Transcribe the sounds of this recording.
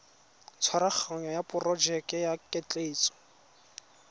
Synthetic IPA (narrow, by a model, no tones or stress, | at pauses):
t͡sʰwaɾak͡xʰaɲɔjapʊrɔd͡ʒɛkɛjakʼɛt͡ɬʼeːt͡sʼɔ̥